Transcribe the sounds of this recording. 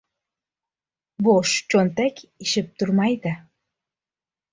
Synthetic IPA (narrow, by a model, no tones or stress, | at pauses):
boʃt͡ɕont̪ekiʃɘp̚t̪urmɑjd̪æ